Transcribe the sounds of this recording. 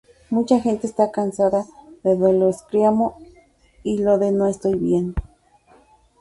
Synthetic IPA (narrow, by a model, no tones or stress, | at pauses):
mut͡ʃaxent̪est̪akansaðaðeðoloeskɾiamo | iloðenoest̪ojβjend̪o